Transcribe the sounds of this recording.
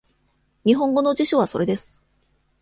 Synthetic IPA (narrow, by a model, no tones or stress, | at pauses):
ɲ̟iɦõ̞ŋɡo̞no̞d͡ʑiɕoβ̞aso̞ɾe̞d̪e̞sɨ̥